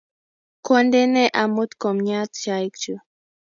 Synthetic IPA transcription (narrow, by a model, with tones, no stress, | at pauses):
kwɔ˦ndɛ˦nɛ˦ʔa˨mu˦t̪kɔ˨mɲa˦t̪̚t͡ʃa˨i˦k̚d͡ʒu˨